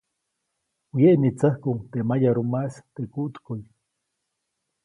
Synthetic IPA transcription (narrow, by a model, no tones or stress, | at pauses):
wjeʔnit͡sahkut̪emajaɾumast̪ekuʔt̪koj